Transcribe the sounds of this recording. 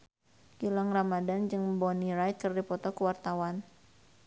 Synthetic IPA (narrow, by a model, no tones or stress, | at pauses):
ɡilaŋramadand͡ʒɨŋbɔniɾajt̪kɨrdipɔt̪ɔkuwart̪awan